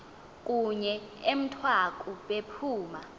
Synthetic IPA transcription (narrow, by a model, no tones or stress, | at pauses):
kʼuɲɛem̩tʰwakʼuɓepʰuːma